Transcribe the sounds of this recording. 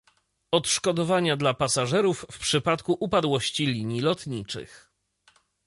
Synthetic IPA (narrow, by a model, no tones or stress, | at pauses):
ɔt̪ʂkɔd̪ɔvaɲad̪lapasaʐɛɾufːpʂɘpat̪kuʔupad̪wɔɕt͡ɕilʲiɲjilɔt̪ɲit͡ʂɘ̰x